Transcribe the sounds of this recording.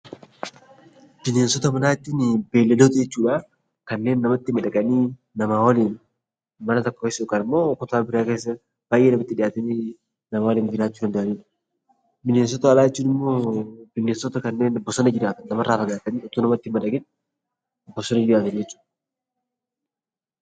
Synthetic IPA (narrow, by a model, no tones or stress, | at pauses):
b̥ɪneːnsɔt̪ɐmɐnaːt̪ːiːnɪbeːlːɛd̪oːt̪jɛt͡ʃːuːᶑa | kɐnːe̞ːnːɐmɐt̪ːɪmɐᶑɐɡʼɐniː | nɐmawɔliːn | mɐnɐt̪ɐkːoɛsːɐʊkɐnɪmːo̞ːkɔt̪aːbɪɾaːkeːs̬ːɐ | b̥aːjʔeːnɐmɐt̪ːɪᶑɪjaːt̪ɐniː | nɐmaːwɔliːnd͡ʒɪɾaːt͡ʃːuːdɐnd̪ʔɐniːᶑɐ̥ | bɪnːens̬ɔt̪ɐɐlaːjɛt͡ʃːuːnɪmːoːb̥ɪnːeːnsɔt̪ɐkɐnːe̞ːnbːɔsɔnɐd͡ʒɪɾaːt̪ɐnːɐmɐraːfɐɡaːt̪ɐniːɔt̪unɐmɐt̪ːɪmɐᶑɐɡɪn | bːɔsɔnɐd͡ʒɪɾaːt̪ɐnd͡ʒɛt͡ʃːu̥ːᶑ